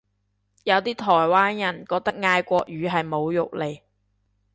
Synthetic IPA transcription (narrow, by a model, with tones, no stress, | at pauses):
jɐ˨˧wt̪iː˥t̪ʰɔː˨˩jwaː˥njɐ˨˩nkɔː˧k̚t̪ɐ˥k̚ŋaː˧jkʷɔː˧k̚jyː˨˧ɦɐ˨jmo˨˧wjʊ˨k̚le˨˩j